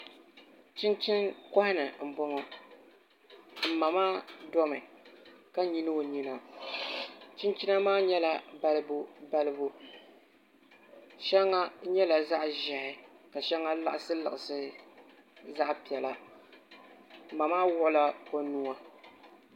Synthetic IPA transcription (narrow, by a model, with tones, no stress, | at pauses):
t͡ʃɪ˦nt͡ʃɪ˦nkɔ˦hɪ˦nɨ˨m̩˨bɔ˦ŋɔ˦ | m̩˨ma˨maː˦dɔ˦mɨ˨ka˦ɲi˦nɨ˦o˨ɲi˦na˨ | t͡ʃɪ˦nt͡ʃi˦na˦maː˦ɲɛ˦la˦ba˨lɨ˦bu˦ba˦lɨ˦bu˦ | ʃɛ˦ŋːa˦ɲɛ˦la˨za˦ʔʒɛ˨hɪ˨ka˨ʃɛ˦ŋːa˦la˦ʔɪ˦sɨ˦lɨ˨ɪ˨sɨ˦ | za˦ʔpi˨ɛ˨la˨ | m̩˨ma˨maː˦wʊ˦ʔʊ˦la˦ko˦nu˦a˦